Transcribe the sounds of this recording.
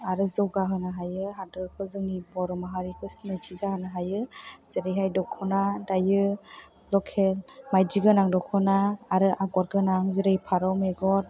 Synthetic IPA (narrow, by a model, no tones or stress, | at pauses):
aɾɯzɔwɡaɦɯnaɦajɯɦadɯɾkʰɯzɯŋibɔɾɔmaɦaɾikʰɯsnɯd͡ʒizahɯnaɦajɯz̥eɾejɦajdɔkʰɔnadajɯ | lɔkʰelmajd͡ʒiɡɯnaŋdɔkʰɔnaːɾɯʔaɡɔɾɡɯnaŋzeɾejpʰaɾɔwmeɡɔɾ